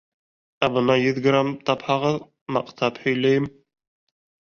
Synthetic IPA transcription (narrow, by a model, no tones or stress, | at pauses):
æbʊnɑjyðɡɾamt̪ʰɑphɑʁɤð | mɑqt̪ʰɑphɵjlæjɪm